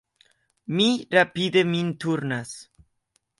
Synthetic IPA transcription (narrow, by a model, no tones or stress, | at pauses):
miɾapid̪emint̪uɾnas